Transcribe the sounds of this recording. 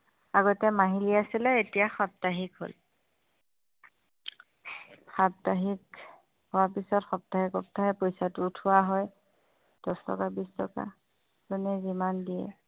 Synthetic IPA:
aɡɔtɛmaɦiliasilɛetijaxap̚taɦikɦo̰l | xap̚taɦik | hʊwaɹpisɔtxɔp̚taɦikɔp̚tʰaɦɛpojsatʊtʰʊwaɦɔj | d̥ɔstʰɔ̰kabistʰɔka̰ | zunɛzimandijɛ̰

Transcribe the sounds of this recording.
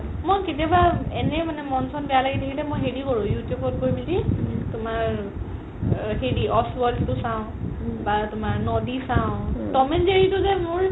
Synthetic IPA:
mojketijabaɛnɛmanɛmɔnsɔnbijalaɡit̪ʰekʰilɛmojɦedikɔɹũjutjubɔt̚ɡojbilitʊmaɹ | ɦediʔɔswɔɖtusãʊ̃batʊmaɹnɔdisãʊ̃tɔmɛnd͡ʒeɹitʊzɛmʊɹ

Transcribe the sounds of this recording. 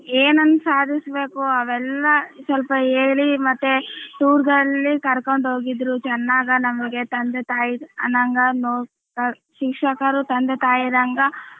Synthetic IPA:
eːnɐnːusaːd̪ʱisbe̞ːkuɐʋɛlːɐsɐlpɐeːɭimɐt̪ːet̪uːɾd̪ɐlːikɐɾkoɳɖɦo̞ːɡid̪ɾut͡ʃɛnːaːɡɐnɐmɐɡe̞t̪ɐnd̪et̪aːjiɐ̰nɐŋɡɐnoː | kɐ | ʃikʂɐkɐɾut̪ɐnd̪et̪aːjid̪ɐŋɡɐ

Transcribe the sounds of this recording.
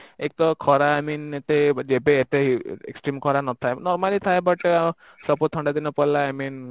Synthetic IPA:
ek̚t̪ɔkʰɔɾaːminet̪ed͡ʒebeet̪eḛksʈɾimkʰɔɾanɔt̪ʰaenɔɾmalit̪ʰaebɔʈ | sɔpɔt̪ʰɔɳɖad̪inɔpɔlaamin

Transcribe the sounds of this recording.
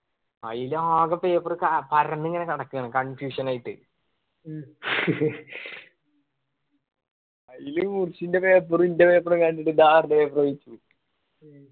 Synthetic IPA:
ɐ̰jiluaːɡɐpːeːpːurɨkɐpɐɾɐnːiŋːɐne̞kɐɽɐkːɨɣɐɳɐkɐɳfjuːʂɐnaːjiʈːɨ̰ | ɐjiluurt͡ɕːinde̞peːpːurindepeːpːurɐkɐɳɖiʈːɨd̪aːrdeeːprɐʋit͡ɕːu

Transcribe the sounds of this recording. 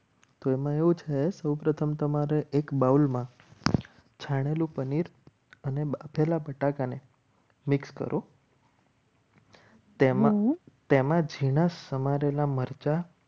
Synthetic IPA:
t̪oemãeʋũt͡ʃʰesəwpɾət̪ʰəmt̪əmaɾeʔekbaulmã | t͡ʃʰaɽ̃elũpəniɾ | ənebapʰelabəʈakane | mɪkskə̰ɾʔo | t̪emãt̪emãd͡ʒʱiɽ̃asəmaɾelaməɾt͡ʃa

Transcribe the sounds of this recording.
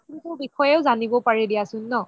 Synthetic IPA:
nitubikɔjɛʊzanibɔpaɹɛdijasʊnːɔ

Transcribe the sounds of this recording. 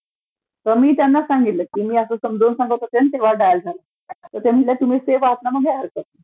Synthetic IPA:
t̪əmiːt̪janːasaŋɡit̪ləkiːmiːəsəːsəmd͡zʱonsãŋɡəwt̪at̪ent̪eʋ̤aɖajld͡zʱalə | t̪əɾt̪em̤ilat̪um̤iseʋaɦət̪naməɡeəɾsət̪ːə

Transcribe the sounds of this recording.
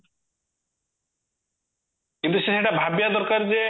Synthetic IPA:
kint̪useseʈabʱabjad̪ɔɾkaɾd͡ʑe

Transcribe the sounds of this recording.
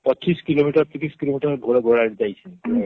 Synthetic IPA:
pɔt͡ʃiskilomiʈəɾt̪ikiskilomiʈəɾɡʱoɾeɡʱoɽaɾd͡ʒajt͡ʃʰɛ

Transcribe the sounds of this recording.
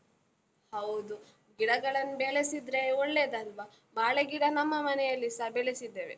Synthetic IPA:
hɐwd̪u | ɡiɽɐɡɐɭɐnːubeɭesid̪ɾeoɭːeːd̪ɐlʋa | maːɭeɡiɽɐnɐmːɐmɐnɛjɐlːisɐbeɭesid̪ːeːʋḛ

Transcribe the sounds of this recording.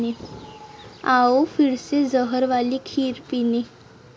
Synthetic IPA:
e | aofiɽsed͡zəɦəɾʋalikʰiːɾpine

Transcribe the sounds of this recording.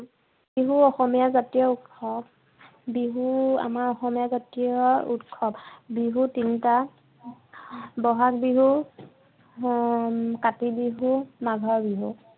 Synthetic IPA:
biɦuɔxɔmijazatijɔutkʰːɔb̚ | biɦua̰maɹɔxɔmijazatijɔṵtkʰːɔbbiɦutinta | bɔɦak̚biɦu | katibiɦumaɡʱɔɹbiɦu

